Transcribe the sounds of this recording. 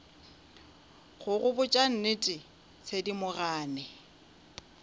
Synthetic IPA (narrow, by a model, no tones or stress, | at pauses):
χʊɣʊbʊt͡ʃʼan̩nɪtʼɪ | t͡sʰedimʊraːnɛ